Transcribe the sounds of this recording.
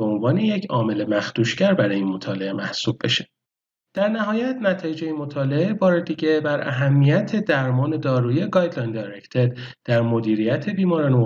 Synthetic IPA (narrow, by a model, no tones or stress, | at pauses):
eo̞nvɒːne̞jecʰɒːme̞le̞mæxt̪uːʃcæɾbæɾɒːjinmo̞t̪ʰɒːle̞e̞mæhsuːb̚be̞ʃe | d̪̥æɾnæɦɒːjæt̪næt̪ʰɒːjed͡ʒeimo̞t̪ʰɒːle̞ebɒːɾe̞d̪iɟe̞bæɾʔæɦæmːijæt̪ʰe̞d̪æɾmɒːne̞d̪ɒːɾuːieɡɒjd̪lɑjnd̪ejɾect̪ʰed̪d̪̥æɾmo̞d̪iːɾijæt̪ʰe̞biːmɒːɾɒːno